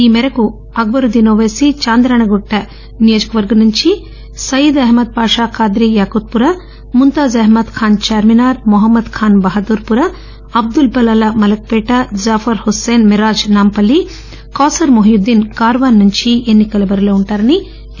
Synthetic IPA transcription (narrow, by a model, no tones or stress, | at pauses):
iːmɛɾɐku | ɐk̚bɐɾud̪inoːʋeːsit͡ʃaːnd̪ɾaːɳɐɡoʈːɐ | nijoːd͡ʒɐ̥kɐʋɐɾɡɐnuɲt͡ʃi | sɐjid̪ɐɦmɐd̪̚paːʂaːkaːd̪ɾijaːkuːt̪̚puɾɐ | munt̪aːzɐɦmɐd̪kʰaːnt͡ʃaːɾminaːɾmuɦɐmːɐd̪kʰaːnbɐɦɐd̪uːɾpuɾɐ | ɐb̚d̪ulbɐlɐlɐmɐlɐk̚peːʈɐd͡ʒaːfɐɾhuseːnmiɾaːd͡ʒnaːmpɐlːi | kaːsɐɾmoɦjud̪ːinkaːɾʋaːnːuɲt͡ʃienːikɐlɐbɐɾɐloːuɳʈaːɾɐni